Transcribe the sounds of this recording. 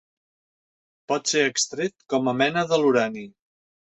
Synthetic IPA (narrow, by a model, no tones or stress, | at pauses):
pɔt̪seəkst̪ɾet̪kɔməmɛnəðəluɾani